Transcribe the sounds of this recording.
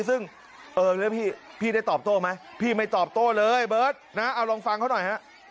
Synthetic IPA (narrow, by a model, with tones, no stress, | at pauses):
sɯ˥˩ŋ | ʔɤː˧lɯː˦˥pʰiː˥˩pʰiː˥˩daː˥˩jt̪ɔː˨˩p̚t̪oː˥˩ma˦˥jpʰiː˥˩ma˥˩jt̪ɔː˨˩p̚t̪oː˥˩lɤː˧jbɤː˦˥˩t̪̚na˦˥ʔa˧wlɔː˧ŋfa˧ŋkʰa˥˩wnɔ˨˩jha˦˥ʔ